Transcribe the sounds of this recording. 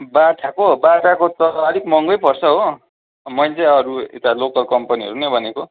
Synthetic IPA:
baʈʰakobaʈʰakot̪ʌʌɾikmʌŋɡʌjpʌrsʌɦo | mʌjt͡sʌʌɾuḛt̪alokʌlkʌmpʌniɦʌ̰ɾunʌjbʱʌneko

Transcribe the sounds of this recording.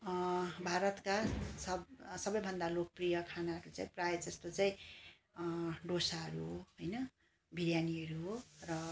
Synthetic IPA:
bʱaɾʌt̪kasʌsʌbʌjbʱʌnd̪alokʌprijʌkʰanaɦʌɾut͡sãĩprajd͡zʌst̪ot͡saĩ | ɖosaɦʌɾuɦoɦojnʌ | bʱiɾjaniʌɾuɦorʌ

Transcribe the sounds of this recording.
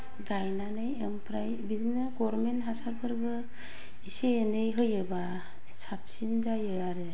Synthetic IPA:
ɡajnanɯjempʰɾajbizinɯɡɔɾmentɦasaɾpʰɯɾbɯ | iseenɯjɦɯjɯba | sap̚sind͡ʒajɯaɾɯ

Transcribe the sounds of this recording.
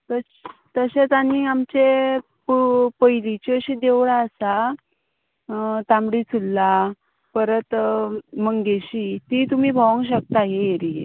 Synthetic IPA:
t̪ə | t̪əɕet͡s̪anːiːamt͡ɕe | pupəjlit͡ɕəɕiːd̪eʋɽaəsa | t̪amɽiːt͡sʰulːa | pəɾət̪məŋɡeɕiːt̪it̪um̤iːbʱaʋəŋɡɕ̬ək̚t̪aɦeeɾiḛ

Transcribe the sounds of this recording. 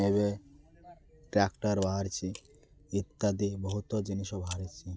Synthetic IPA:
eβe | ʈɾɛkʈaɾbaɦaɾt͡ɕʰi | it̪ːad̪iboɦut̪od͡ʑiniʃobaaɾet͡ɕʰi

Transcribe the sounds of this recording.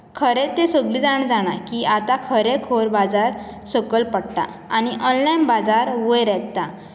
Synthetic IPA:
kʰəɾet̪esəɡliːd͡zaɳd͡zaɽ̃akiat̪akʰəɾekʰoɾbad͡zaɾ | səkəlpəɽʈa̰ | añiʔənlajnbad͡zaɾʋəjɾɛt̪t̪a

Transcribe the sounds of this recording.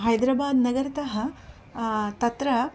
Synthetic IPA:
ɦɐjd̪ɾaːbaːd̪nɐɡɐɾɐt̪ɐɦɐ | t̪ɐt̪ɾɐ

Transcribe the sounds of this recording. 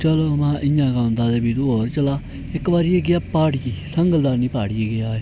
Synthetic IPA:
t͡ʃəloːmãːʔɪ̃jãːɡãːʊ̃nd̪aːd̪eːbiːd̪uːoːɾt͡ʃəlaː | ɪkʋaːɾieːɡɪjaːpaːɽjiːsəŋɡəld̪aːɾniːpaːɽijeːɡɪjaːeː

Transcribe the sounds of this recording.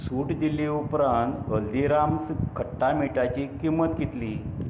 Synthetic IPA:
suʈd̪ileupɾant̪əlːiɾamskʰəʈːamiʈat͡ɕikimːət̪ɡit̪li

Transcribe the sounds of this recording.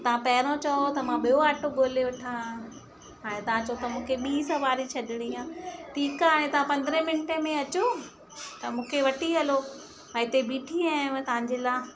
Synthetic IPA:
t̪ɐʋãpɐɦɪɾõt͡ɕɐot̪ɐmãɓijoaːʈoɡoːleʋɐʈʰã | ɦaːɽ̃ẽt̪ɐʋãt͡ɕɐot̪ɐmũːkʰeɓiːsɐʋaːɾit͡ɕʰɐɗɪɽ̃iãːʈʰiːkɦaːɽ̃ẽt̪ɐʋ̤ãpɐ̃nd̪ɾẽmɪnʈemẽɐt͡ɕo | t̪ɐmũːkʰeʋɐʈʰiɦɐlo | ɛ̃ɪt̪ebiːʈʰiãːmt̪ɐʋ̤ãɲd͡ʑeːlaː

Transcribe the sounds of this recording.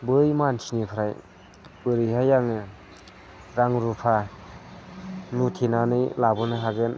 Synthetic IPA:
bɯjmansʰinipʰaɾaj | b̥ɯɾɯjɦajaŋɯ | ɾaŋɾupʰa | nutʰinanɯjlabɯnɯɦaɡɯn

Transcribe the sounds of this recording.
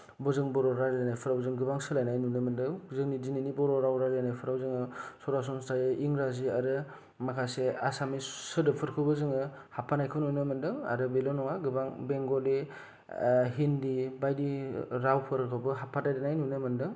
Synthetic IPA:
bɔzɯŋbɔɾɔɾaɾedanajpʰɯɾawzɯŋɡɯbaŋsɯlajnajnunɯmɯndɯŋzɯŋnidininibɔɾɔɾawɾaɾanajpʰɯɾawzɯŋɯsɔɾas̬ɔnstajɯʔiŋɾaziaɾɯ | makʰaseasamisɯdɯpʰɯɾkʰɯbɯzɯŋɯhapʰanajkʰɯnujnɯmɯndɯŋa̰ɾɯbelɔnɔŋaɡɯbaŋbeŋɡɔdi | ɦindibajdiɾawpʰɯɾkʰɯwbɯɦapʰːadajdanajnujnɯmɯndɯŋ

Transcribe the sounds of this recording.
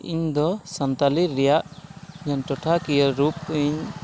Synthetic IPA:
ḭɲd̪ɔsant̪aliːɛjaʔd͡ʒɔnʈɔʈʰakijəɾupiɲ

